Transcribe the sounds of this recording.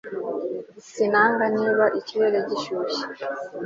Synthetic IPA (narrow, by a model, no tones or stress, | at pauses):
sinaŋɡaɲiβaʔit͡ʃilɛlɛɟiʃuʃi̥